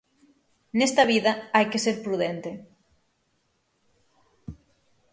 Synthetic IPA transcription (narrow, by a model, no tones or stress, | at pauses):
nest̪ɐβ̞iðɐajkeseɾpɾuðent̪e